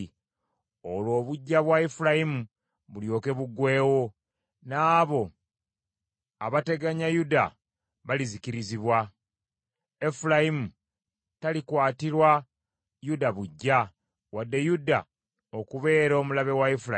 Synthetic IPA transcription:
olwo̞ːβuɟːaβwaefulajimu | βuljo̞ːke̞βuɡwe̞ːwo̞ | naːβo̞ | aβate̞ɡaɲajuda | βalizikiɾiziβwa | efulajimu | talikwaːtiɾwa | judaβuɟːa | wadːe̞juda̰ | okuβe̞ːɾo̞ːmulaβe̞waefuɾa

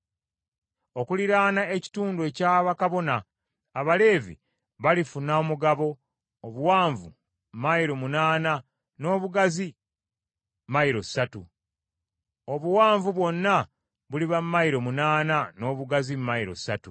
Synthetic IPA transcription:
o̞kuliɾaːnae̞ci̥tuːndue̞caːβakaβo̞naː | βale̞ːvḭ | βalifunaomuɡaβo̞ː | βuwaːɱvṵ | m̩maiɾo̞munaːna | no̞ːβuɡazi | maiɾo̞satu | oβuwaːɱvuβwo̞nːa | βuliβammajiɾo̞munaːnano̞ːβuɡazimmːaiɾo̞̰sa̰tu

